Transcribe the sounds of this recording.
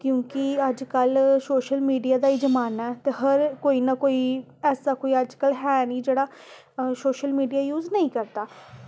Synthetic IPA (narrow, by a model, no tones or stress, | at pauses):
kjõːkɪəd͡ʒkəlsoːʃəlmiːɖijaːd̪aːiːd͡ʒəmaːnaɛːt̪eːɦəɾkoːiːnaːkoːiː | ɛːsaːkoːiːəd͡ʒkəlɦɛːnĩːd͡ʒeːɽaː | soːʃəlmiːɖijaːjuːznəĩːkəɾt̪aː